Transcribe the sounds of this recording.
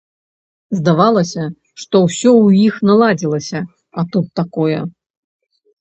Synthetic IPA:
zd̪avalˠɐsʲɐ | ʂt̪ɔwsʲɔwixnalˠad͡zʲilˠɐsʲɐ | ɐt̪ut̪ːakɔjɐ

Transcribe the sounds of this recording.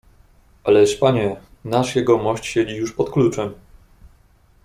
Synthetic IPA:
ʔalɛʂpaɲɛnaʂjɛɡɔmɔɕt͡ɕɕed͡ʑijuʂpɔt̪klut͡ʂɛm

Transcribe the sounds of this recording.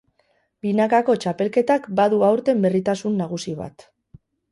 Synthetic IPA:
binakako̞t͡ʃape̞lke̞t̪akbaðuawɾt̪e̞mbe̞rit̪asunːaɣ̞usiβa̰t̪

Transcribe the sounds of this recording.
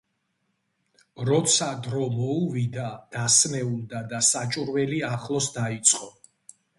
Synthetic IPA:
ɾɔt̪sʰad̪ɾɔmɔuvid̪ad̪̥asmɛuld̪ad̪asat͡ʃʼuɾwɛliaχlˠɔsd̪ait̪sʼqʼɔ

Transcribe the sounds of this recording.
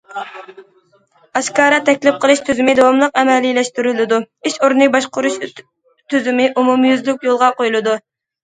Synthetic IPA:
ɑʃkɑːɾɑt̪ʰɛkʲlɪp̚qʰəlˠɨʃt̪ʰyzymɪd̪owɑmlˠəqɛmɛlilɛʃt̪yɾylɪd̪u | iʃoɾnɨk̚ʲbɑʃqʊɾuʃ | t̪ʰyzymɪʔumumjyzlykʲjolˠʁɑqojlˠɨd̪u

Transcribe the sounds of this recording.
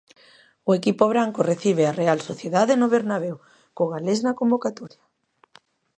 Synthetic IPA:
ʊekipoβ̞ɾaŋkoreθiβ̞earealsoθjeðaðenoβeɾnaβew | koɣaleznakombokat̪ɔɾja

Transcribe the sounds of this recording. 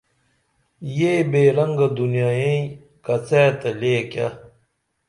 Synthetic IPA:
jebeːɾɐŋɡɐd̪unjaːjẽĩ | kɐt͡seːt̪ɐleːka

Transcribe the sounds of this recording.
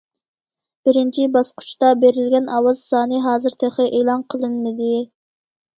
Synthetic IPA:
b̥ɪɾɪnt͡ʃʰibɑsqʰʊ̥t͡ʃt̪ɑbeɾɪlɡʲɛnɑwɑzsɑːnɨɦɑːzɨɾt̪ʰeχəʔeːlˠɑnqʰəlˠɨnmɪd̪ɪ

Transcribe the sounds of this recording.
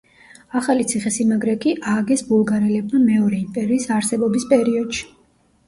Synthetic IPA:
aχalit̪sʰiχɛsimaɡɾɛkʼiʔaɡɛsbulˠɡaɾilɛb̚mamɛɔɾɛimpʼɛɾiːsaɾsɛbɔbispʼɛɾiɔd̪̥ʃi̥

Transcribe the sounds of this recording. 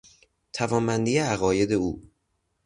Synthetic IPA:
t̪ʰævɒːmbænd̪ijeæɣɒːje̞d̪e̞uː

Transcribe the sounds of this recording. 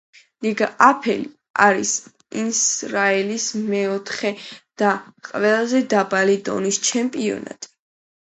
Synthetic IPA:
liɡaapʰɛ̰li | aɾis | insɾaɛlismɛɔt̪ʰχɛd̪̥aqʼvɛlˠazɛd̪abalid̪ɔ̰nist͡ʃʰɛmpʼiɔ̰na̰t̪ʼi̥

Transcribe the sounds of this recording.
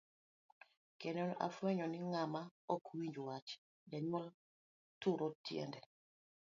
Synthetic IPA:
kɛnɔna̰fwɛɲɔniŋamaɔkʰuwiɲd͡ʒuwat͡ʃ | dɛɲɔl | tuɾʔɔtiɛ̰ndɛ

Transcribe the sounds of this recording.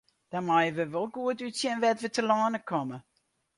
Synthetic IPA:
d̥amajəʋəʋolˠɡuətytsjɛnʋɛtʋətəlɔːnəkʰɔmə

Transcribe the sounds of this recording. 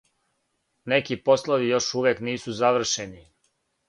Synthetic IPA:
nekipo̞slˠaʋijo̞ʃuʋjekniːsuzaʋr̩ʃeni

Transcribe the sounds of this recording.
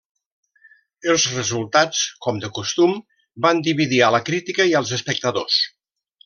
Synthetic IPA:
əlˠzrəzulˠt̪at͡skɔmd̪əkust̪um | band̪iβiðialəkɾit̪ikəiəlˠzəspək̚t̪əðos

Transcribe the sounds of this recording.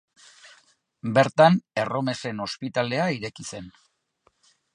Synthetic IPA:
be̞ɾt̪ane̞ro̞me̞se̞no̞spit̪ale̞aiɾe̞kise̞n

